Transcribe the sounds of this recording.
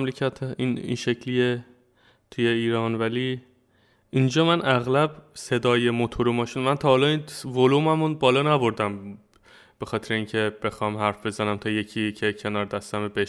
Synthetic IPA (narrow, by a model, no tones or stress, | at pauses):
mlecʰæt̪ʰinḭnʃe̞cʰlije | t̪ʰuje̞iːɾɒːnvæli | ind͡ʒɒːmænʔæɣlæbse̞d̪ɒːjemot̪ʰoɾumɒːʃinmænt̪ʰɒːhɒːlɒːinvolumæmunbɒːlɒːnæbo̞ɾd̪æm | b̥e̞xɒːt̪ʰeɾeiːŋcʰe̞b̥e̞xɒːmɦæɾfbe̞zænæmt̪ʰɒːje̞cʰiːcʰe̞cʰe̞nɒːɾd̪æst̪æmebeʃ